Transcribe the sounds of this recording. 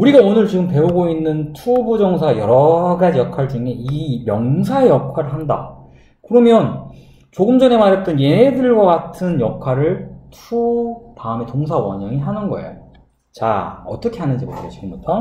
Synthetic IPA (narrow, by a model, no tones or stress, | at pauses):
uɾiɡaonɯɭt͡ɕiɡɯmpe̞uɡoinːɯntʰubud͡ʑʌŋsʰajʌɾʌɡad͡ʑijʌkʰaɭd͡ʑɯŋeimjʌŋsʰaejʌkʰaɾɯɭɦanda̰ | kɯɾʌmjʌn | t͡ɕoɡɯmd͡ʑʌne̞maɾjʌt͈ʌnje̞ɦedɯɭɡʌɡatʰɯnjʌkʰwaɾɯɭtʰupaɯme̞toŋs̬ʰawʌ̰ɲaŋiɦanɯnɡʌ̰ḛjo | t͡ɕa̰ʌ̰t͈ʌkʰe̞ɦanɯnd͡ʑibo̰ɾʌ̰ot͡ɕiɡɯmbutʰʌm